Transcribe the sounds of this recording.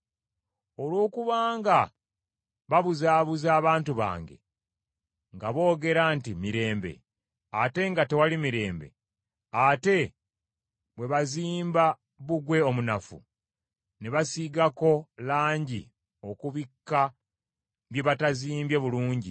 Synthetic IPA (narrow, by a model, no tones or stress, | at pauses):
o̞lwo̞ːkuβaːŋɡa | βaβuzaːβuzaːβaːntuβa̰ːŋɡe̞̰ | ŋɡaβo̞ːɡe̞ɾantimiɾe̞ːmbe̞̰ | ate̞ŋɡate̞walimiɾe̞ːmbe̞̰ | ate̞ | βwe̞βaziːmba | βuɡwe̞omunafṵ | neβasiɡako̞laːɲɟḭ | o̞kuβikːa | βje̞βataziːmbje̞βuluːɲɟi